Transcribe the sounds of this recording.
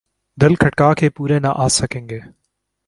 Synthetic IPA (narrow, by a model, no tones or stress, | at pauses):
d̪ɪlkʰɐʈkaːkepuːɾenaʔaːsɐkẽːŋɡeː